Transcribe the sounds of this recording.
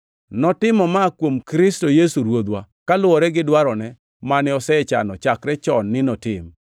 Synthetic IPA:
nɔtɪmɔmakwomkɾɪstojesuɾwod̪wa | kalʊwɔɾɛɡɪdwaɾɔnɛ | manɛɔsɛɛt͡ʃa̰nɔt͡ʃakɾɛt͡ʃɔnːɪnɔtɪm

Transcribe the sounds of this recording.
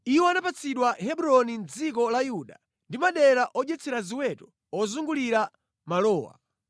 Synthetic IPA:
iwɔanapat͡sʰiɗwahɛbuɾɔnind͡zikɔlajuɗa | ndimaɗɛɾaʔɔʄɛt͡sʰɛɾaziwɛtɔ | ɔzuŋɡuliɾa | malɔːwa̰

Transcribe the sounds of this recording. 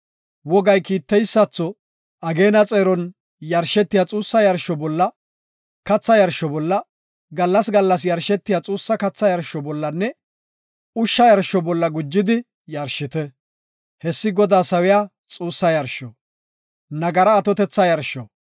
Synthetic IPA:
wɔɡɐjkiːt̪ːɛjsːɐt͡sːɔ | ɐɡe̞ːnɐt͡sʼeːɾɔn | jɐɾʃɛt̪ːɪjat͡sʼuːsːɐjɐɾʃːɔbɔlːɐ | kɐt͡sːɐjɐɾʃːɔbɔlːɐ | ɡɐlːɐsɡɐlːɐs̬jɐɾʃɛt̪ːɪjat͡sʼuːsːɐkɐt͡sːɐjɐɾʃɔbɔlːɐnːɛ | ʊʃːɐjɐɾʃɔbɔlːɐɡʊd͡ʒːɪd̪ɪ | jɐɾʃːɪt̪ɛ | hɛsːɪɡɔd̪aːsɐwɪjaː | t͡sʼuːsːɐjɐɾʃɔ | nɐɡɐɾɐːt̪ɔt̪ɛt͡sːɐjɐɾʃɔ̰

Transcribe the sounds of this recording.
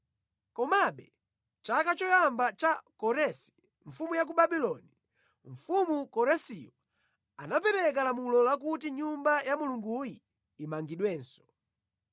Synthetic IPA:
kɔmaɓɛ | t͡ʃakat͡ʃɔjambat͡ʃakɔɾɛsi̥ | ɱfumujak̬uɓaɓilɔni | ɱ̩fumukɔɾɛsijɔ | anapɛɾɛk̬alamulɔlak̬utiɲumbajamuluŋɡujiː | maŋɡiɗwɛːnsɔ̥

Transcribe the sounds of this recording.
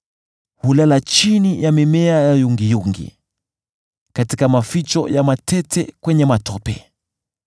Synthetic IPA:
hulalat͡ʃinijamɛmɛajajuŋɡijuŋɡḭ | katikamafit͡ʃɔ̰jamatʰɛtʰɛkwɛɲɛmatʰɔpɛ

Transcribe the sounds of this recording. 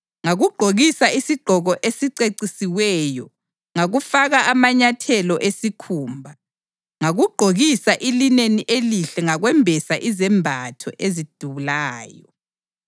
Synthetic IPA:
ŋaɣuɡ͡ǃ̥ʱoɣisaisiɡ͡ǃʱɔɣɔʔesiǀeǀisiwɛjɔ | ŋaɣufaɣaʔamaɲatʰɛlɔʔesikʰuːmbʱa | ŋaɣuɡ͡ǃ̥ʱoɣisaʔilineniʔeliɬɛŋaɣwɛmbʱɛsaʔizɛmbʱatʰɔ̰ʔezid̥ʱuβulaːjɔ

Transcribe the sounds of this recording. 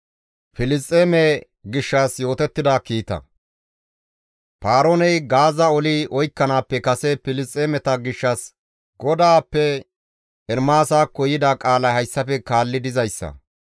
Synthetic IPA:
pɪlɪst̪ʼːeːmɛ | ɡɪʃːasjo̞ːt̪ɛt̪ːɪd̪aːkiːt̪ɐ̰ | paːɾonɛjɡaːzɐɔliɔjkːɐnaːpːɛkɐsɛpɪlɪstʼːeːmɛt̪ɐɡɪʃːɐs | ɡɔd̪aːpːɛ | ɛɾmaːsaːkːɔjɪd̪akʼaːlɐhɐjsːɐfɛkaːlːɪd̪ɪzɐjsːɐ̰

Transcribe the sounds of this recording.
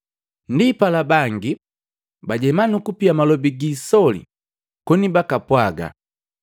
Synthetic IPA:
ndipalabaŋɡi | baɟɛmanukupiamalɔbiɡisɔlḭ | kɔnibakapwaɡa̰

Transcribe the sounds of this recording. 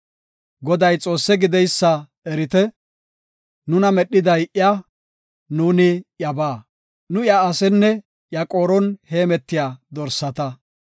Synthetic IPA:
ɡɔd̪ɐjt͡sʼo̞ːsːɛɡɪd̪ɛjsːɐ | ɛɾɪt̪ɛ | nʊnɐmɛɗːɪd̪ɐjʔɪja | nuːnɪjɐbaː | nʊjaːsɛnːɛ | ʔjɐkʼo̞ːɾɔnheːmɛt̪ːɪjaːd̪ɔɾsːɐt̪ɐ

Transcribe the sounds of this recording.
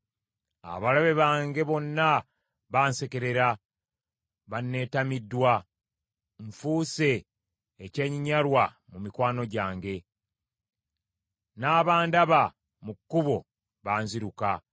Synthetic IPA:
a̰βalaβe̞βaːŋɡe̞βo̞nːa | βaːnse̞ke̞ɾe̞ɾa | βanːe̞ːtamidːwa | ɱfuːse̞ː | ce̞ːɲiɲaɾwa | mumikwaːno̞ɟaːŋɡe̞ | naːβaːndaβa | mukːuβo̞ | βaːnziɾuka

